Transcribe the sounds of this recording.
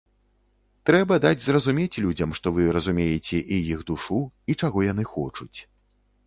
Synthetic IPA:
t̪ɾɛbɐd̪ad͡zʲzrɐzumʲet͡sʲlʲud͡zʲɐmʂt̪ɔvɨɾɐzumʲejɛt͡sʲɛʔijiɣd̪uʂuit͡ʂaɣɔjan̪ɨxɔt͡ʂut͡sʲ

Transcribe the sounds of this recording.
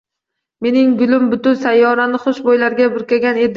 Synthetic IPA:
me̞nɪŋɡʊlɪmbʊt̪ʊnsajːɒɾanɪχʊʃbojlaɾɡʲabʊɾkʲaɡʲane̞d̪ɪ

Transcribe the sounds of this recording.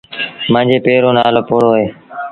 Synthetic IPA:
mãːd͡ʒeːpeːɾoːnaːloːpuːɽoːɦɦeː

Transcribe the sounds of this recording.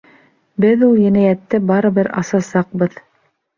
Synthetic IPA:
bɘðulˠjɘ̆næjæt̪ːɘbɑɾɤ̆βɘɾɑ̰sɑsɑq̚bɤð

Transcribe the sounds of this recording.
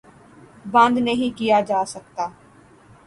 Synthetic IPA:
bə̃nd̪nəɦĩːkɪjaːd͡ʒaːsək̚t̪aː

